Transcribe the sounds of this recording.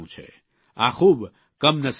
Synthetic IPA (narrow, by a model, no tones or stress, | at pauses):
ũt͡ʃʰɛ̰ | akʰub | kəmnəs